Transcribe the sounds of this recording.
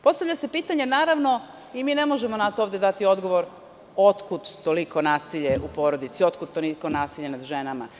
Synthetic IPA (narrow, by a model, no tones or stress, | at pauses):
po̞st̪aʋʎase̞piːt̪aɲe̞naːɾaʋno̞ | imiːne̞mo̞ʒe̞mo̞nat̪ooʋd̪ed̪at̪io̞d̪ɡo̞ʋo̞ɾ | o̞t̪kut̪ːoliko̞naːsiʎe̞upo̞ːɾod̪it̪sio̞t̪kut̪ːoliko̞naːsiʎenad̪ʒenama